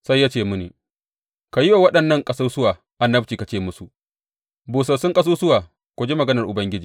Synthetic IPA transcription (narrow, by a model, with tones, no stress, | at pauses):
sa˦jːaː˦t͡ʃeː˦˨mʊ˦nḭ˨ | ka˨jɪ˦wa˨wɐ˦ɗɐ˨nːɐ˦˨ŋkʼɐ˦sɐ˦rsʊ˦waː˨ | ʔa˨nːɐ˦bt͡ʃiː˨ka˨t͡ʃeː˦˨mʊ˦su˨ʔ | buː˨s̬ɐ˨sʊ˦ŋkʼɐ˦suː˦sʊ˦waː˨ | kʷo˨d͡ʒe˦mɐ˨ɡɐ˦nɐ˨rʔʊ˨bɐ˦ŋɡʲɪ˦d͡ʒiː˨